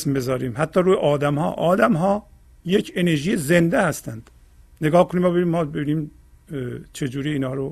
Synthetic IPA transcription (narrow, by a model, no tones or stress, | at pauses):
smbe̞zɒːɾiːmhæt̪ʰːɒːɾuːjeʔɒːd̪æmhɒ̰ːʔɒːd̪æmɦɒː | jecʰeneɾʒiːjeze̞nd̪ehæst̪ænd̪̥ | neɡɒːhkʰoniːmɒːbeimːɒːbebiniːm | t͡ʃʰe̞d͡ʒuːɾiːnhɒːɾo